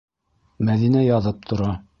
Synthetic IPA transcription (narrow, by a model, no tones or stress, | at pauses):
mæðinæjɑðɤp̚t̪ʰŏɾɑ